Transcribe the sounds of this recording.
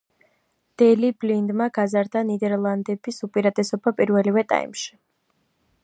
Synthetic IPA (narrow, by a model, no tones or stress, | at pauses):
d̪̥ɛliblind̪maɡ̥azaɾd̪anid̪ɛɾlˠand̪ɛbisupʼiɾat̪ʼɛsɔbapʼiɾvɛlivɛt̪ʼa̰ḭmʃi̥